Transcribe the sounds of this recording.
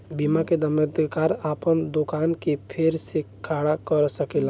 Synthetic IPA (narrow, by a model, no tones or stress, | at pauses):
bimaked̪əməɾd̪kaɾapənd̪okaːnkepʰeɾsekʰaɽakəɾsəkel